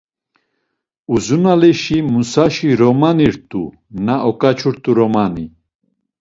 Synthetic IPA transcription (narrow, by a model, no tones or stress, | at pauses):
uzunalɛʃimusaʃiɾɔmaniɾt̪ʼu | naʔɔkʼat͡ʃʰuɾt̪ʼuɾɔmani